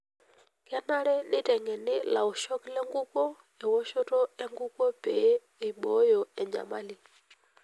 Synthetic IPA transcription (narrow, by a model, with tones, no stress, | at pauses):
ka˦na˦ɾɛ˦nɪ˦tɛ˨ŋɡɛ˨nɪ˦la̰˨o˨ʃɔ˦klɛ˦ŋɡu˦kɔ˦ | ɛ˨wɔ˦ʃɔ˦tɔ˦ɛ˦ŋɡu˦kɔ˦pɛ˨˦ | i˨ɓɔ˨˦jɔ˨ɛ˨ɲd͡ʒa̰˨ma˦li˨